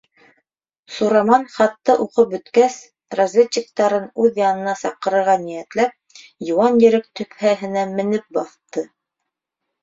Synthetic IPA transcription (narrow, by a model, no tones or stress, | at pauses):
suɾɑmɑnχɑt̪ːɑʔuqɤp̚bɵ̆t̪kæs | rɐzʲvʲeɕːɪk̚t̪ɑɾɤnʉðjɑnɤ̆nɑsɑqɤ̆ɾɤ̆ɾʁɑnijæt̪læp̚ | jŭwɑnjɘ̆ɾɘk̚t̪ɵ̆phæɦɘ̆næmɘ̆nɘp̚bɑθt̪ɤ